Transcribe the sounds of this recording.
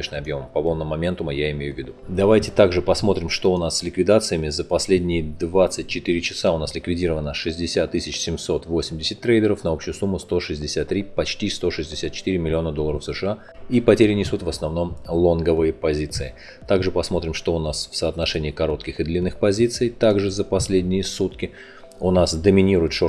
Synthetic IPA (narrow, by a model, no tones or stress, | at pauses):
eʂnɨmɐbjo̞mpɐvolˠnəmːɐmʲe̞nt̪ʊməjaɪmʲejʊvʲːɪd̪ud̪ɐvajtʲɪt̪aɡʐɨpɐsmo̞t̪ɾʲɪmʂt̪o̞ʊnasːʲlʲɪkvʲɪd̪at̪sɨjəmʲɪzəpɐsʲlʲedʲnʲɪjɪd̪vat̪sɨtʲt͡ɕɪt̪iɾʲɪt͡ɕɪsaʊnaslʲɪkvʲɪdʲiɾəvənəʂɨzʲdʲɪsʲat̪ːɨsʲɪt͡ɕsʲɪmso̞t̪vo̞sʲɪmʲdʲɪsʲɪt̚ʲt̪ːɾejd̪ʲəɾəfnɐo̞pɕʊjʊsumːʊst̪o̞ʂɨzʲdʲɪsʲat̪ːɾʲipɐt͡ɕtʲist̪o̞ʂɨzʲdʲɪsʲat̪̚t͡ɕɪ̥t̪iɾʲɪmɪlʲɪo̞nəd̪olˠəɾəfsəʂɨa | ipɐtʲeɾʲɪnʲɪsut̪vəsnɐvno̞mlˠonɡəvɨjəpɐzʲit̪sɨɪ | t̪aɡʐɨpɐsmo̞t̪ɾʲɪmʂt̪o̞ʊnasfsəːt̪nɐʂɛnʲɪːkɐɾo̞t̪kʲɪxɨd̪lʲinːɨxpɐzʲit̪sɨjt̪aɡʐɨzəpɐsʲlʲedʲnʲɪjəsut̪kʲɪ | ʊnasd̪əmʲɪnʲiɾʊjɪt̪ʂo